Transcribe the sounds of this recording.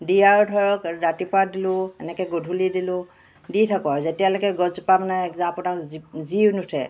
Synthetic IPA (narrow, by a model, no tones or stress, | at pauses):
dijaɹdʱɔɹɔkɹatipadilʊ̃ɛnɛkɛɡodʱulidilʊ̃ | ditʰakɔazetijalɔkɛɡɔzupamanɛɛkzɔ̃napʊnakziwnutʰɛ